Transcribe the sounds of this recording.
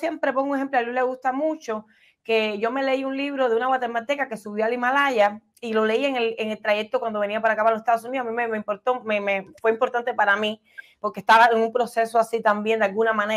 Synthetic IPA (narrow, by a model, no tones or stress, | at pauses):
sjempɾe̞poŋuŋehe̞mploalule̞ɣust̪amut͡ʃo̞ | keʝo̞me̞le̞iuŋliβɾo̞ðeunaɣwat̪emat̪e̞kake̞suβjoalimalaʝa | ilo̞le̞ieŋeleŋe̞lt̪ɾaje̞k̚t̪okwand̪oe̞niap̬aɾakapalosest̪aðos̬uniðosamimemeimpoɾt̪omemefweimpo̞ɾt̪ant̪e̞paɾami | po̞ɾkest̪aβaeŋumpɾo̞se̞soasit̪ambjend̪ealɡunamãne